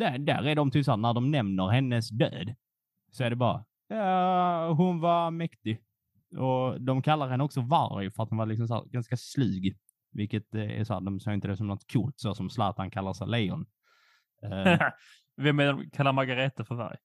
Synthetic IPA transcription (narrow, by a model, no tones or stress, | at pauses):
d̪æd̪æ̰ɾæɖɔmt̪ʰyːpsɔæːɾnæɖɔmnɛmnəɾɦɛnːəsd̪ø̰ːd̪ | sɔæɖɛbɑːɾa̰ | jɑ | ɦʊnvamɛkt̪ɪ | ʔɔd̪ɔmkʰalːaɾhɛnːɔksɔva̰ɾjfœɾat̪hʊnvaɾlɪksɔms̬ɔæ̰ːɾɡanskaslʉ̟ːɡ | vɪlkət̪æ̰ʂɔhæ̰ːɾd̪ɔmsɑːɪnt̪əd̪ɛsɔmnɔt̪ːkʰuːlt̪sosɔmsla̰ːt̪ankʰalːaɾsalɛjɔ̰n | vɛmɛdɔmkʰalːaɾmaɡaɾɛt̪afœɾva̰ɾj